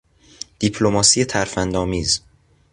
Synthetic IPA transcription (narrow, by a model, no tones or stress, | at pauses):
d̪̥ipʰlo̞mɒːsiːje̞t̪ʰæɾfænd̪ɒːmiːz